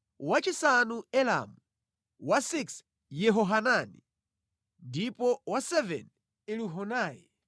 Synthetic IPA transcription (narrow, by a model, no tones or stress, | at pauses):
wat͡ʃisanuɛla̰mu | wasiks | jɛɦɔɦanani | ndipɔwasɛvɛ̰n | iluɦɔnaːjɛ